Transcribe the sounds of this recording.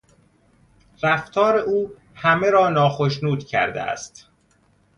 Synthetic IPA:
ɾæft̪ʰɒːɾe̞uː | hæmeɾɒːnɒːxoʃnuːd̪cʰæ̰ɾd̪ḛʔæ̰st̪

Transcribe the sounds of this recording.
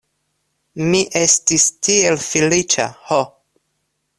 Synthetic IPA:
miʔe̞stistie̞lfilit͡ʃa̰ho

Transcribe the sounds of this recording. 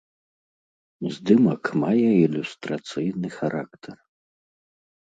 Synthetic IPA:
zd̪ɨmɐkmajɛilʲust̪ɾat̪sɨjnɨxaɾʔakt̪ʰɐr

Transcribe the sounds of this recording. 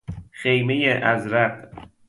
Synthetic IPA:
xejmejeʔæzɾæɢ̥

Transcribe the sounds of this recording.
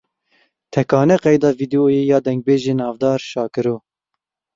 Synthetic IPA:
t̪ʰɛkɑːnɛqɛjd̪ɑːviːd̪iojejɑːd̪ɛŋɡ̚beːʒeːnɑːvd̪ɑːɾʃɑːkɨɾoː

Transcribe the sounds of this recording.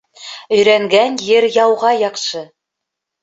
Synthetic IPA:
ɵ̆jɾæŋɡænjɘɾjɑwʁɑjɑqʃɤ

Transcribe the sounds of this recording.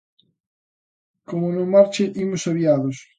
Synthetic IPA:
komonemaɾt͡ʃeʔimʊsaβiaðos

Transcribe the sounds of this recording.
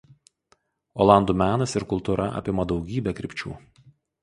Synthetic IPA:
oːlˠɑˑnd̪uːmʲæːnɐsɪɾkʊlˠt̪uːɾɐʔɐ̰pʲɪmɐd̪ɒʊɡʲiːbʲɛkɾʲɪpʲt͡ʃʲṵː

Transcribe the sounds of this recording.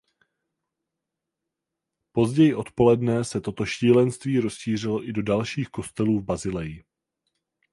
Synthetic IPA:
po̞zɟɛjɪʔo̞t̪po̞lɛdnɛsɛt̪o̞t̪o̞ʃiːlɛnst̪viːɾo̞sʃiːr̝ɪlo̞ʔɪdo̞dalʃiːxko̞st̪ɛluːvbazɪlɛjɪ

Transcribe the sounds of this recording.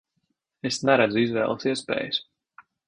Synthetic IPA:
esnɛɾæd̪zuizvɛ̰ːlˠsiɛspɛ̰ːjɨs

